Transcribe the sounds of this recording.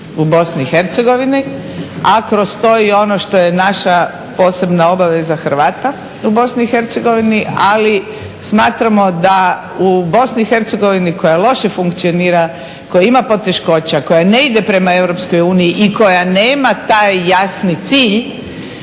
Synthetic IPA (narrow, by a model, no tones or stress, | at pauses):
ubo̞sniixe̞ɾt̪seɡo̞ʋini | akɾo̞st̪o̞io̞no̞ʃt̪o̞je̞naʃa | po̞ːse̞bnao̞baʋe̞zaxɾʋaːt̪a | ubo̞sniixe̞ɾt̪seɡo̞ʋiniʔali | smaːt̪ɾamo̞d̪a | ubo̞snixe̞ɾt̪seɡo̞ʋiniko̞jalo̞ʃefuŋkt̪sio̞niːɾa | ko̞jaimapo̞t̪e̞ʃko̞t͡ɕako̞jane̞id̪e̞pɾe̞maewɾo̞psko̞juːnijiʔiko̞janeːmat̪ajːasnit̪siːʎ